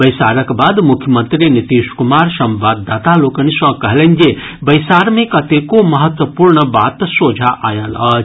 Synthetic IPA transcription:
bəjsaɾəkbad̪mukʰjəmənt̪ɾinit̪iʃkumaɾsɐ̃mʋad̪ʱːat̪alokənisə̃kəɦelənd͡ʒe | bəjsaɾmẽkɐt̪ekomɐɦət̪wəpuɾɳəbat̪sod͡ʒʱaʔajəlɐ

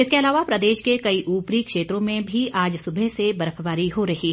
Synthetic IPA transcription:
ɪskeɐlaːʋapɾɐd̪eːʃkekɐiʔuːpɾikʃeːt̪ɾõmẽbʱiaːd͡ʒsʊbʱɛsebɐɾəpʰʋaːɾiɦoɾɐɦiː

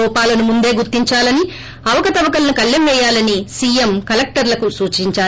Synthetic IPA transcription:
ɔːpaːlɐnumund̪e̞ːɡuɾt̪ːiɲt͡ʃaːlɐni | ɐʋɐkɐt̪ɐʋɐkɐlɐnukɐlːemʋɛːjaːlɐnisiːjemkɐlɐk̚ʈɐɾlɐkusuːt͡ʃiɲt͡ʃaː

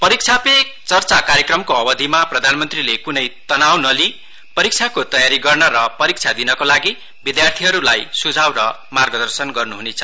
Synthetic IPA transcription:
pʌɾik̚t͡sʰapekt͡sʌrt͡sakaɾjekrʌmkoʌbʌd̪ʱimaprʌd̪ʱanmʌnt̪rilekunʌjt̪ʌnawnʌli | pʌɾik̚t͡sʰakot̪ʌjaɾiɡʌrnʌɾʌpʌɾik̚t͡sʰad̪inʌkolaɡi | bid̪jart̪ʰiɦʌɾulajsud͡zʱawɾʌ | marɡʌd̪ʌrsʌnɡʌrnuɦunet͡sʰʌ̥

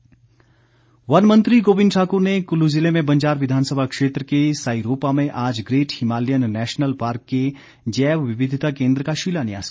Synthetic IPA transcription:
ʋɐnmə̃nt̪ɾiɡoːbɪ̃nɖʈʰaːkʊɾnekʊluzɪlemẽbɐ̃ɲd͡ʒaːɾʋɪd̪ʱaːnsəbʱakʃeːt̪ɾəkesaːiɾoːpamẽʔaːd͡ʒɡɾeːʈhɪmaːlijənːɛːʃnəlpaːɾkːe | d͡ʒɛːʋʋɪʋɪd̪ʱt̪akẽːnd̪ɾəkaʃiːlanija̰ːz̥

